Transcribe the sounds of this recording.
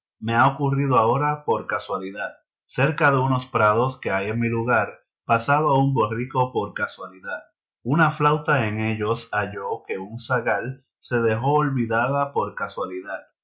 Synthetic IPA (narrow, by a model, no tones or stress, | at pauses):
me̞aokuriðoao̞ɾapo̞ɾkaswaliðat̪̚ | se̞ɾkaðe̞uno̞spɾað̞o̞ske̞aje̞ŋmiluɣaɾ | pasaβaumbo̞riko̞po̞ɾkaswaliðat̪ | unaflawt̪ae̞ŋe̞ʎo̞saʝo̞ke̞unsaɣal | se̞ðe̞ɦo̞ːlβiðaðapo̞ɾkaswaliðat̪̚